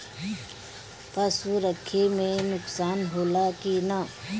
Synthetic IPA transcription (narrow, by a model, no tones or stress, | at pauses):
pɐsuɾəkʰːemẽnʊksaːnɦoːlakina